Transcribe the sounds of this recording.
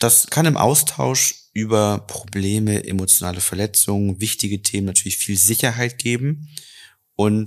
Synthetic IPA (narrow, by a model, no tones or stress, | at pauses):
d̥askʰanɪmʔa̰ʊstʰaʊʃ | ʔyːbɐpʁ̥obleːməʔḛmot͡sjonaːləfɛɐlɛt͡sʊŋənvɪçtɪɡətʰeːmənatʰyːɐlɪçfiːlzɪçɐɦaɪt̚ɡ̥eːbm̩ | ʔʊnt